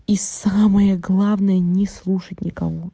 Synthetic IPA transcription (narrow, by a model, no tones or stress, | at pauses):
isaməjəɡlˠavnəjənʲɪslˠuʂətʲnʲɪkɐ̰vo